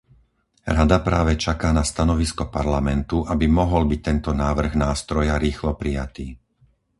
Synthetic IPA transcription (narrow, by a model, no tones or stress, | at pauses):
ɾad̪apɾaːʋɛt͡ʃakaːnast̪anɔʋiskɔpaɾlamɛnt̪uʔabimɔɦɔlbic̚t̪ɛnt̪ɔnaːʋr̩ɣnaːst̪ɾɔjaɾiːxlɔpɾijat̪iː